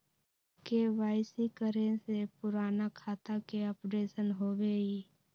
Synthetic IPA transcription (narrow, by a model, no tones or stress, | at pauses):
keʋaːɪsikəɾẽsepʊɾaːnakʰaːt̪akeəpɖeːsənɦoːʋeːi